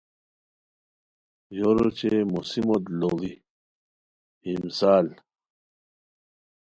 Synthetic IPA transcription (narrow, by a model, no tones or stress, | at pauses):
joɾot͡ɕemusimod̪loli | imsaːl